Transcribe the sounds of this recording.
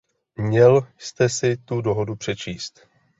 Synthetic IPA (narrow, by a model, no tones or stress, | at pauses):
mɲɛlst̪ɛsɪt̪udo̞ɦo̞dupr̥ɛt͡ʃiːst̪